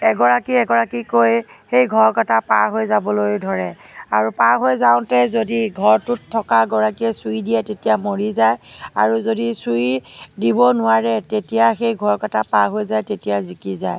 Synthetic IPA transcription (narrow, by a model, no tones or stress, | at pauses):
ɛɡɔɹakiɛɡɔɹakikoj | xejɡʱɔɹkɔtapaɹɦojzabɔlojdʱɔɹɛ | aɹupaɹɦojzaʊ̃tɛzodiɡʱɔɹtʊtʰːɔkaɡɔɹakiɛsujdijɛtetijamoɹizaja̰ɹuzodisujdibɔnʊwaɹɛtetijaxejɡʱɔɹkatapaɹɦojzajtetijazikiza̰j